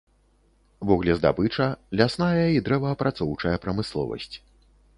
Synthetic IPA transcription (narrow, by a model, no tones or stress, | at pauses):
vɔɣlʲɛzd̪a̰bɨt͡ʂɐlʲasnajɐid̪ɾɛvɐːpɾʔat̪sɔwt͡ʂɐjɐpɾɐmɨslˠɔ̰vɐ̰sʲt͡sʲ